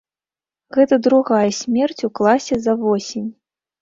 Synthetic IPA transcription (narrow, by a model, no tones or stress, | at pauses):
ɣɛt̪ɐd̪ɾuɣajɐsʲmʲɛrt͡sʲuklˠasʲɛzɐvɔsʲenʲ